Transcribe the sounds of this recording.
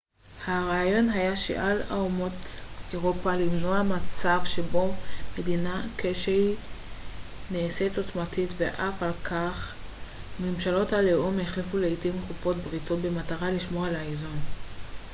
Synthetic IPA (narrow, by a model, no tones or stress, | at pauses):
haʁaːjo̞nɦajaʃḛʔala̰umo̞teʁopalimnoamat͡savʃe̞bo̞me̞dinakeʃe | neːseto̞t͡smatʰitveʔafalkʰaχ | memʃalo̞thaleʔomeχlefuleitimχufo̞tbʁito̞t̚be̞mataʁaliʃmo̞alaezon